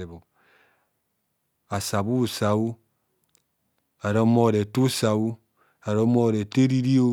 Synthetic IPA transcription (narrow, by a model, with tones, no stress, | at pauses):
e˨bo˨ | a˨sa˨bu˦˨sa˨wu˦ | a˨ɾo˦mɔ˦˨ɾe˨tu˦sa˨wu˦ | a˨ɾo˦mo˦˨ɾe˨te˦ɾi˦ɾi˦o˦